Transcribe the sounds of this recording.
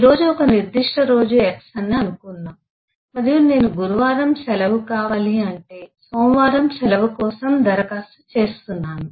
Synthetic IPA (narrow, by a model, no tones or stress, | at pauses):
iɾo̞ːd͡ʒuɔkɐniɾd̪iʂʈɐɾo̞ːd͡ʒueksɐnːiɐnukunːaːm | mɐɾijune̞ːnuɡuɾuʋaːɾɐmsɛlɐʋukaːʋaːliɐɳʈe̞ːsoːmʋaːɾɐmsɛlɐʋukɔːsɐmd̪ɐɾɐkaːsut͡ʃe̞ːst̪unːaːnu